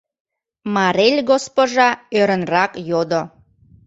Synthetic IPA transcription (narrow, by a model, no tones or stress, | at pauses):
mɑɾelʲɡospoʒɑøɾənrɑkjod̪o